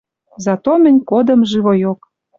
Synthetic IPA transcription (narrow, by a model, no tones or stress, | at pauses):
zɑt̪omə̆nʲkod̪ə̆mʒɨβojok